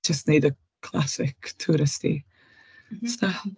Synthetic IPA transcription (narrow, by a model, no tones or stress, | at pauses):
d͡ʒəstneɨdə | kʰl̥ˠa̰sɪktʰːuɾɪstḭ | sta